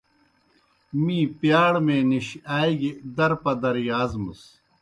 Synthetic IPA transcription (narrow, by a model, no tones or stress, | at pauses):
mĩːpjaːɽmeːniɕaːiɡed̪ɐɾpɐd̪ɐɾjaːzmɨs